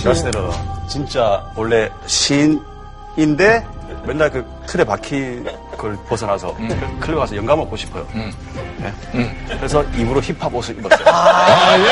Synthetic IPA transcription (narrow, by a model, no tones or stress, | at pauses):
masʰɯdeɾot͡ɕint͡ɕ͈awʌɭːe̞ɕʰin | inde̞ | mjʌnːaɭkɯ | tʰɯɾepakʰi | kɯɭposʰʌnɦasʰʌ̰kʰɯɭːʌŋasʰʌjʌŋɡamɯɭp͈oɕʰi̥pʰʌjo̰ | nḛ | kɯɾesʰʌibuɾoçipʰabosʰɯibʌ